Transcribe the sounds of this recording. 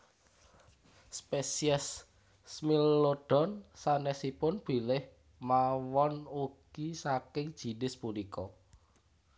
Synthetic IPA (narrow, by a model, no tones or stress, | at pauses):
spesiɛsː | milːoɖ̥ɔ̤nsanɛsipʊnb̥i̤lɪh | mawɔnuɡ̥isakɪŋd̥ʒ̥i̤nɪspulikɔ